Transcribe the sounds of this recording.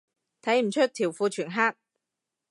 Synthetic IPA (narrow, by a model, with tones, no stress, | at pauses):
t̪ʰɐ˨˥jm̩˨˩t͡ʃʰɵ˥t̚t̪ʰiː˨˩wfuː˧t͡ʃʰyː˨˩nɦaː˥k̚